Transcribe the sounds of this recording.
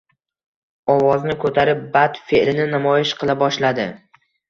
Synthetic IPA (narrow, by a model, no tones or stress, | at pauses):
ɒwɒznɪkʰɵt̪ʰaɾɪp̚bat̪feʔlɪnɪnamɒjɪʃqʰɨlˠabɒʃlad̪ɪ